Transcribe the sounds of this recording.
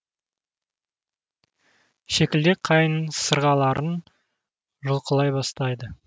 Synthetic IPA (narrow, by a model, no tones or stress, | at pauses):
ʃekʲɪld̪ek̚qʰɑjənsəɾʁɑlˠɑɾʔən | ʒʊlˠqəlˠɑjbɑst̪ɑjd̪ə